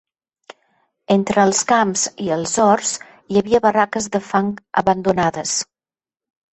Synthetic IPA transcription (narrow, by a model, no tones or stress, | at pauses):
ent̪ɾəːlˠskamziəlˠzɔrs | iəβiəβərakəzðəfaŋə̰βənd̪unaðəs